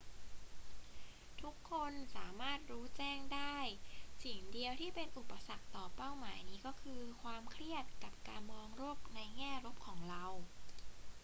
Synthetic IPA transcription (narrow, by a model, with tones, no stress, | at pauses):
t̪ʰu˦˥kʰːo˧nsaː˩˦maː˥˩t̪̚ɾuː˦˥t͡ɕɛː˥˩ŋdaː˥˩jsi˨˩˦ŋdi˧əwt̪ʰiː˥˩pe˧nʔu˨˩pːa˧sa˨˩k̚t̪ɔː˨˩pa˥˩wmaː˩˦jniː˦˥kɔː˥˩kʰɯː˧kʰwaː˧mkʰɾi˥˩ət̪̚ka˨˩p̚kaː˧nmɔː˧ŋɾoː˥˩p̚na˧jŋɛː˥˩ɾo˦˥p̚kʰɔː˩˦ŋɾa˧w